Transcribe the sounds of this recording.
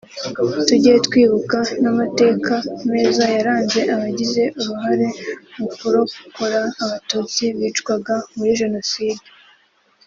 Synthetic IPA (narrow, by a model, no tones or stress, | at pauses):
tuɟijetkwiːβukanamate̞ːkʰameːzajaɾaːnze̞ʔaβaɟize̞ʔuɾuɦaɾe̞mukuɾo̞kkoɾaːβatuːt͡siβiːt͡ʃɡwaɡamuɾiʒe̞no̞siːde